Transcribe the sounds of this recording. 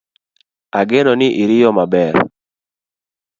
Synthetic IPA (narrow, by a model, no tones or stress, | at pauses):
aɡenɔnɪʔiɾɪjɔmabɛɾ